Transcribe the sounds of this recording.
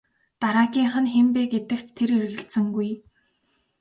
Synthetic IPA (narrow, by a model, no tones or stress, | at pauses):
t̪aɾaːɡʲiːŋχə̆nxempeːɡet̪ɘ̆kt̪ʰːeɾerɣɘ̆ɬt̪sɘ̆ŋɡuj